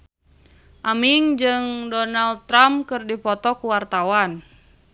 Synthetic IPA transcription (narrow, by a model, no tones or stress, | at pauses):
ʔamiŋd͡ʒɨŋdɔnald̪t̪ːɾamkɨrdipɔt̪ɔkuwart̪awan